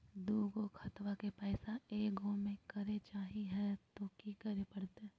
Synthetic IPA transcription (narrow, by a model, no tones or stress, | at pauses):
d̪uːɡokʰɐt̪ʋakepɛːsaeːɡõmẽkɐɾet͡ʃaːɦiɦɛt̪okikɐɾepɐɽt̪e